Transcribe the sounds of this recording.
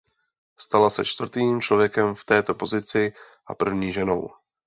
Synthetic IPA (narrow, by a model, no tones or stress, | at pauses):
st̪alasɛ̰t͡ʃt̪vr̩t̪iːmt͡ʃlo̞vjɛkɛmft̪ɛːt̪o̞po̞zɪt͡sɪ | ʔapr̩vɲiːʒɛno̞̰w